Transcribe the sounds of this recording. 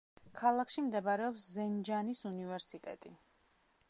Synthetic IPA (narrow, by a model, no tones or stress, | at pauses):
kʰalˠakʃimd̪ɛbaɾɛɔpszɛnd͡ʒanisunivɛɾsit̪ʼɛ̰t̪ʼi